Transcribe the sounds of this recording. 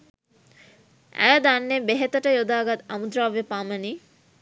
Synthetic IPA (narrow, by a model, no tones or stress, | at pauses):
æ̰jəd̪anːebeɦet̪əʈəjod̪aːɡat̪amud̪ɾaːʋepaməni